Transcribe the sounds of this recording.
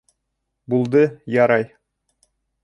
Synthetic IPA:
bulˠd̪ɤjɑɾɑj

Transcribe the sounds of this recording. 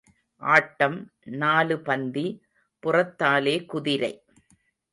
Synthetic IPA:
ʔaːʈːɐmnaːlɯpɐnd̪i | pʊrɐt̪ːaːleːkʊðɪɾɐɪ

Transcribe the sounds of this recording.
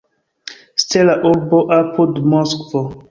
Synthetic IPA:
stelaʔuɾboʔapʰudmoskvo

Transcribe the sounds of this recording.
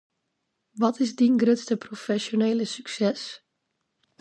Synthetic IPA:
ʋɔtʰɪzdinɡrøtstəprofɛsjoneːləsyksɛs

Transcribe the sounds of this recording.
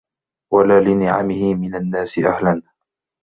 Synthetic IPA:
walaːlɪnɪʕa̰mɪhɪmɪnanːaːsɪʔa̰hlan

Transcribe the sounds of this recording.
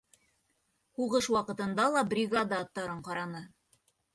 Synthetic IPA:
huʁɤʃwɑqɤ̆t̪ɤ̆nd̪ɑlˠɑbrʲiɡad̪aːt̪ːɑɾɤɴqɑɾɑnɤ

